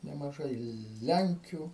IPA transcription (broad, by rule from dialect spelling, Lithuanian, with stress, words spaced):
nʲɛmɐˈʒɐɪ ˈlʲɛŋʲkʲʊ